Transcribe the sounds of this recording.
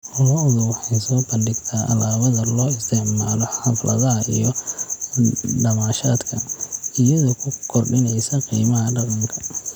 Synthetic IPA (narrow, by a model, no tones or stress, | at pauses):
ʔɔlɔʊðʊwɑħɑjsɔːbɐnɖɪɡt̪ʰaːʔɐlaːβɐðɐlɔːɪst̪ʰɛʕmaːlɔħɐflʔɐ̰ðɐɦɐijɔ | ɖɐmaːʃaːd̪kʰɐijɐðɔkʰʊkʰɔrɖɪnɛjsɐqiːmɐɦɐɖɑqɑŋkʰɐ̥